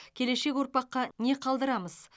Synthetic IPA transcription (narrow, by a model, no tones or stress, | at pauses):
kʲʰe̞le̞ʃe̞kʲwo̞ɾpɑqːɑne̞qʰɑlˠd̪əɾɑməz̥